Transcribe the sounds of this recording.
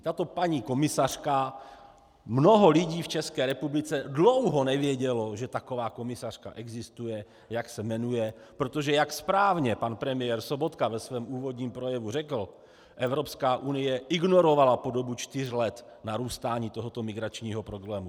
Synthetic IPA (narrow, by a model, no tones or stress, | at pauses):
t̪at̪o̞paɲiːko̞mɪsar̝̥ka | mno̞ɦo̞lɪɟiːft͡ʃɛskɛːɾɛpublɪt͡sɛdlo̞wɦo̞nɛvjɛɟɛlo̞ʒɛt̪ako̞vaːko̞mɪsar̥ka̰ʔɛɡzɪst̪ujɛ | jaksɛmɛnujɛ | pɾo̞t̪o̞ʒɛjakspɾaːvɲɛpanpɾɛmɪjɛːɾso̞bo̞t̪kavɛsvɛːmʔuːvo̞d̪ɲiːmpɾo̞jɛvurɛkl̩ | ʔɛvɾo̞pskaːʔunɪjɛʔɪɡno̞ɾovalapo̞do̞but͡ʃt̪ɪr̝lɛt̪ | naɾuːst̪aːɲiːt̪oɦo̞t̪o̞mɪɡɾat͡ʃɲiːɦo̞pɾo̞blɛːmu